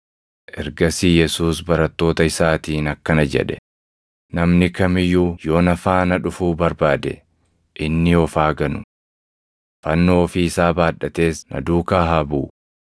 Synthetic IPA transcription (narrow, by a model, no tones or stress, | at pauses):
ʔɛɾɡɐsiːjɛsuːsbɐɾɐt̪ːo̞ːt̪ɐɪsaːt̪iːnɐkːɐnɐd͡ʒɛ̰ᶑɛ | nɐmnɪkɐmɪjuːjo̞ːnɐfaːnɐᶑʊfuːbɐɾbaːd̪ɛ̰ | ʔɪnːɪɔfaːɡɐnʊ | fɐnːo̞ːfiːɪsaːbaːᶑɐt̪e̞ːsnɐ̰d̪uːkaːɦabuː